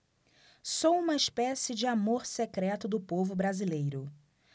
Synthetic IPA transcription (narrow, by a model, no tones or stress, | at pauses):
sowũmɐɪspɛsɪd͡ʒɪamoɾsekɾɛt̪ʊd̪ʊpovʊbɾazilejɾʊ